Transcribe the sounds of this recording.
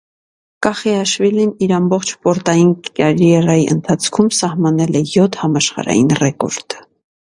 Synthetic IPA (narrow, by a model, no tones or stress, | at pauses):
kɑχiɑʃviliniɾɑmbɔχt͡ʃʰpɔɾt̪ɑjinɑɾjɛɾɑjiʔə̰nt̪ʰɑt͡sʰkʰumsɑhmɑnɛlɛjɔt̪ʰhɑmɑʃχɑ̰ɾɑ̰jinrɛkɔ̰ɾt̪ə